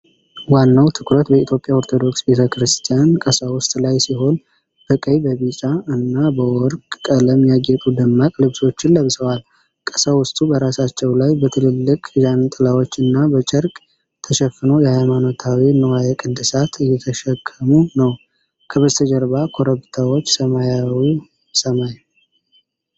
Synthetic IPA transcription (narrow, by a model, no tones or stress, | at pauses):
wanːawt̪ʰɨkɾət̪bəit̪ʰjo̞pʼjaoɾt̪ʰo̞d̪o̞ksbet̪ʰəkɾɨst̪ʰijankʼəsawʊst̪ʼlajsiɦo̞n | b̥əkʼəjbəβit͡ʃʼaɨnːabəwɔɾkʼkʼələmjaɡɛt̪ʼud̪ɨmːakʼlɨβso̞t͡ʃːɪnlːəβsəwal | kʼəsawʊst̪ʼubəɾasat͡ʃːɛwlajbət̪ʰɨlɨlːɨkʼzant̪ʼɨlawot͡ʃːɨnːabət͡ʃʼəɾkʼ | t̪ʰəʃɛfːɨnowjɛhajmano̞t̪ʰawinəwajɛkʼɨd̪ːɨsat̪ʰɨjːɛt̪ʰəʃəkʼːəmunəw | kʰəβəzt̪ʰəd͡ʒəɾbakʰo̞ɾəβt̪ʰawot͡ʃːsəmajawi | səmaj